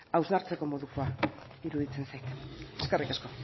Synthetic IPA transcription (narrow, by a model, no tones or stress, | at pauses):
awznaɾt͡se̞ko̞mo̞ðukoa | iɾuðit͡sensajkeskerikasko̞